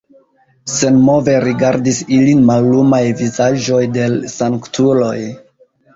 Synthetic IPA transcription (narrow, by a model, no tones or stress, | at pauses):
se̞nmo̞ve̞ɾiɡaɾdisilinmalːumajvizaʒo̞jde̞lsaŋktʰulo̞j